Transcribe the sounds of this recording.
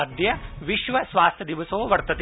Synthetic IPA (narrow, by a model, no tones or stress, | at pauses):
ɐd̪jɐʋɪʃʋɐsʋaːst̪ʰjɐd̪iʋɐsoːʋɐɾt̪ɐt̪